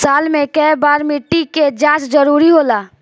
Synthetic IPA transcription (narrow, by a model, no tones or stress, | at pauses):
saːlmẽkɛɛbaːɾmiʈːiked͡ʒãːt͡ʃd͡ʒəɾuːɾiɦoːlaː